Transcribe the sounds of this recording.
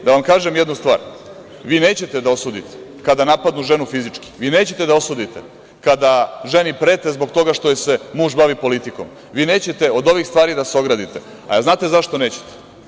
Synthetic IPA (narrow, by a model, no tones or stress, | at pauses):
d̪aʋamkaːʒemjed̪nust̪ʋa̰ːɾ | ʋiːne̞ːt͡ɕe̞t̪ed̪ao̞suːd̪it̪e̥kad̪anapad̪nuʒe̞nufizit͡ʂki̥ʋiːne̞ːt͡ɕet̪ed̪ao̞suːd̪it̪ḛ | kad̪aʒe̞nipɾeːt̪e̞zbo̞kt̪o̞ɡaʃt̪ojese̞muːʒbaʋipo̞lit̪iko̞̰m | ʋiːne̞ːt͡ɕe̞t̪e̞o̞d̪o̞ʋixst̪ʋaːɾid̪aseo̞ɡɾad̪it̪e̞ | a̰znaːt̪e̞zaʃt̪one̞ːt͡ɕe̥t̪e̥